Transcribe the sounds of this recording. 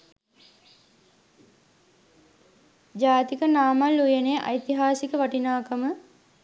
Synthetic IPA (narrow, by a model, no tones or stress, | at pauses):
d͡ʒaːt̪ikənaːmalːujenejʔɐ̰jt̪iɦaːsikəʋaʈinaːkəmə